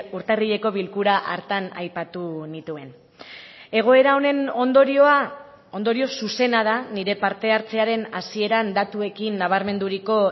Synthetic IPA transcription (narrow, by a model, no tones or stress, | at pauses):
uɾt̪eriʎe̞ko̞βilkuɾaʔaɾt̪ana̰jpat̪unit̪ue̞n | e̞ɣ̞o̞e̞ɾao̞ne̞nond̪oɾoa | o̞nd̪o̞ɾio̞suse̞nað̞aniɾe̞paɾt̪e̞aɾt͡se̞aɾe̞nasie̞ɾand̪at̪ue̞kinːaβ̞aɾme̞nd̪uɾiko̞